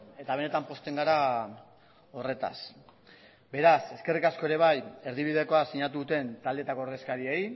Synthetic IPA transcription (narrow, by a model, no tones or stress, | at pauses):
e̞t̪aβ̞e̞ne̞t̪ampo̞st̪e̞ŋɡaɾa | o̞re̞t̪a̰s | be̞ɾase̞ske̞rikasko̞eɾe̞β̞aje̞ɾðiβiðe̞ko̞asiɲat̪uðut̪e̞nt̪ald̪et̪akooɾð̞e̞skaɾiej